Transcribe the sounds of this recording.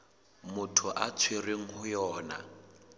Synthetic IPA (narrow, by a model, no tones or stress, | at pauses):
mʊtʰʊʔat͡sʰwereŋ̩ɦʊjɔːna̰